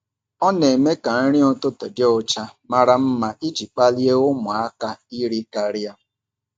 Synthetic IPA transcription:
ɔ˦ne˨me˦ka˨n̩˦ɾɪ˦o˦tʊ˦te˨dɪ˦ɔ˦t͡ʃa˦ma˦ɾa˨m̩˦ma˨ʔi˦d͡ʒi˨k͡pa˦li˦e˦ʊ˦mʊ˨a˦ka˦i˦ɾi˦ka˨ɾɪ˦a˦

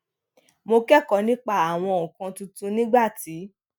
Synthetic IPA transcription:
mo˧kɛ˦˨kɔ˨˦nĩ˦k͡pa˦˨a˨w̃ɔ̃˧ɔ̃˨kã˧tũ˧tũ˧nĩ˦ɡ͡ba˦˨ti˨˦

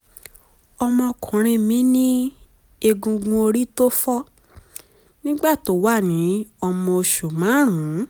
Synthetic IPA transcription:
ɔ˧mɔ̃˧kʰũ˨ɾ̃ĩ˧mĩ˨˦nĩ˦ | e˧ɡũ˧ɡũ˧o˧ɾi˦to˦fɔ˦ | nĩ˦ɡ͡ba˦˨to˨˦wa˦˨nĩ˨˦ɔ˧mɔ̃˧o˧ʃu˨mã˨˦ɾ̃ũ˨˦

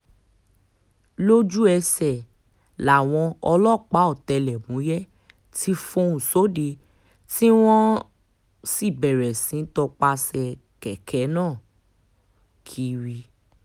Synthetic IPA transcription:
lo˦d͡ʒu˦ɛ˧sɛ˨ | la˨w̃ɔ̃˧ɔ˧lɔ˦˨k͡pa˨˦ɔ˦˨tɛ˧lɛ˨mũ˨˦jɛ˦ | tʰi˦fũ˧ũ˨so˨˦de˧ | ti˦w̃ɔ̃˦ | si˦˨bɛ˨ɾɛ˨sĩ˨˦tɔ˧k͡pa˧sɛ˧ | kɛ˨kʰɛ˨˦nãː˦˨ | kʰi˨˦ɾi˧

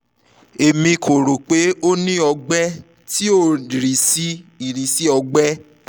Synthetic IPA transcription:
e˨mĩ˧kʰo˨ɾo˨k͡pe˨˦o˦nĩ˦ɔ˧ɡ͡bɛ˦ | ti˦o˦˨i˨ɾĩ˨si˦i˨ɾĩ˨si˦ɔ˧ɡ͡bɛ˦

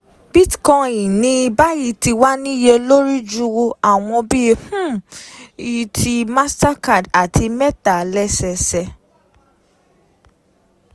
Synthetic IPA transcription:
bi˦tkɔ̃˧jĩ˨nĩ˧˦i˧ba˦ji˧ti˧wa˦nĩ˦je˦lo˦ɾi˦d͡ʒu˦wo˧a˨w̃ɔ̃˧bi˦˧h̩˦ | i˨tʰi˧ma˦sta˦ka˦˨da˨tʰi˧mɛ˦ta˨lɛ˦sɛ˧sɛ˧

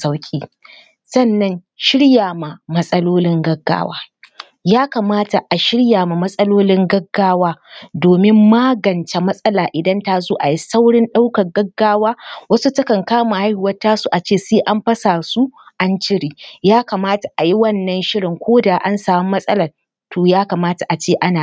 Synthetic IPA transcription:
sa˦wkʲʼiː˦ | sɐ˦˨nːɐ˦n | ʃɪ˦ɽjaː˨ma˨mɐ˦sʼɐ˦loː˦lɪ˦ŋɡɐ˦ɡːa̰ː˦wa̰ː˦ | jaː˦ka˨maː˦ta˨ʔa˨ʃɪ˦ɽjaː˨ma˨mɐ˦sʼɐ˦loː˦lɪ˦ŋɡɐ˦ɡːaː˦waː˦doː˨mɪ˦mːaː˦ɡɐ˨nt͡ʃa˨mɐ˦sʼɐ˦laː˨ʔɪ˨dɐ˦nta˦zoː˦ʔa˨ji˦sa˦wɽɪ˦nɗa˦wkɐ˨rɡɐ˦ɡːaː˦waː˦wɐ˦su˦tɐ˦kɐ˨ŋkaː˦ma˨ha˦jhʊ˨wɐ˦taː˦su˨ʔa˨t͡ʃeː˦˨seː˦ʔa˦mɸɐ˦saː˨su˦ʔa˦nt͡ʃɪ˦ɽiː˨jaː˦ka˨maː˦ta˨ʔa˨ji˦wɐ˦nːɐ˦nʃɪ˦ɽɪ˨ŋkʷoː˦da˨ʔa˦nsaː˨mʊ˦mːɐ˦sʼɐ˦lɐ˨r | toː˨jaː˦ka˨maː˦ta˨ʔa˨t͡ʃeː˦˨ʔa˦naː˨

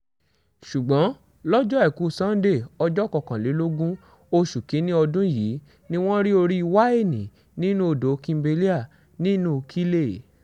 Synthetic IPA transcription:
ʃu˨ɡ͡bɔ̃˨˦ | lɔ˦d͡ʒɔ˦ɛ˦˨ku˨˦sã˦n̩˦de˦˨ɔ˧d͡ʒɔ˦˨kɔ˨˧˨kã˨le˨˦lo˦ɡũ˦ | o˧ʃu˨ke˨˦nĩ˦ɔ˧dũ˦ji˨˦ | nĩ˦w̃ɔ̃˦ɾi˦o˧ɾi˦i˧wa˦e˦˨nĩ˨ | nĩ˦nũ˦o˧˨do˨˦kĩ˧be˧li˦a˦˨ | nĩ˦nũ˦˧kʰi˦le˦˨

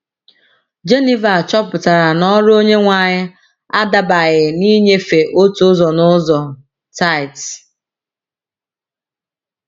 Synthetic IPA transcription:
d͡ʒe˦ni˦va˨t͡ʃɔ˦pʊ˨ta˨ɾa˨nɔ˦ɾo˦ɲe˦ŋʷa˨ɲɪ˦ | a˦da˨ba˨ɣɪ˨ni˦ɲe˦fe˨ʔo˦tu˨˦zɔ˨nʊ˦zɔ˨ | ta˦ɪ˨t

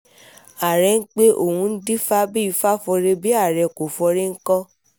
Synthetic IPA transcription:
a˨ɾɛ˧˦n̩˦k͡pe˦ʔo̰˦˨wũ˧n̩˦di˦fa˦bi˦i˨˧˦fa˦fɔ˧ɾe˧bi˦a˦˨ɾɛ˧˨ko˨fɔ˧ɾe˦ŋ̩˦kɔ˦

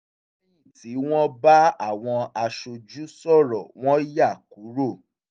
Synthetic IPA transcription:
ĩ˦˨ti˨˦w̃ɔ̃˦ba˦a˦˨w̃ɔ̃˧a˧ʃo˧d͡ʒu˦sɔ˦˨ɾɔ̰˨w̃ɔ̃˦ja˦˨ku˨˦ɾo˦˨

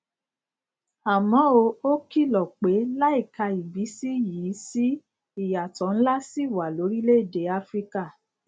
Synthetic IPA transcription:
a˨mɔ̃˨˦o˧o˦ki˦˨lɔ˨k͡pe˨˦la˦i˦˨ka˧i˨bi˨˦si˦jiː˨˦si˦ | i˨ja˨tɔ̃˨˦n̩˦la˦si˦˨wa˨lo˨˦ɾi˦le˦i˦˨de˨˦a˦fɾi˦ka˦˨

